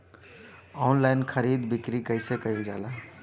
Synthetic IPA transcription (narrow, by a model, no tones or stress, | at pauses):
ɔːnlaːɪnkʰəɾiːd̪bɪkɾikəɪsekəild͡ʒaːlaː